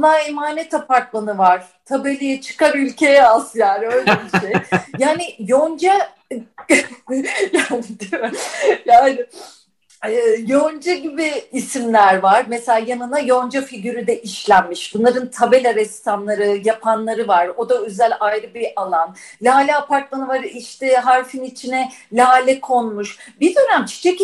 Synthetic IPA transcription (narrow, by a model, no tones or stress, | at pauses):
naːimaːnɛt̪ʰapaɾk̪mˠanɯvaɾ̥ | t̪ʰabe̞lʲijɛt͡ʃʰɯ̥kaɾylʲcʰe̞jɛazjaːnɪø̞jlʲɛbiʃiʃejjaːnɪjond͡ʒa | jaːnɪd̪ | jaːnɪ | ɛːjond͡ʒaɟibiːsimlʲæɾvaɾmeselʲaːjanɯnajo̞nd͡ʒafiɟyɾyd̪ɛʔiʃlʲænmiʃbunlˠaɾɯnt̪ʰabelʲaɾɛst̪ʰanlˠaɾɯjapʰanlˠaɾɯvaɾo̞d̪aøzælʲajɾɯbiʔalˠan | lʲaːlʲɛːpʰaɾt̪lˠanɯvaɾiʃt̪ʰɛɦaɾfinit͡ʃʰinɛlʲaːlʲɛkʰo̞nmuʃbiɾd̪ønæmt͡ʃʰi̥t͡ʃʰec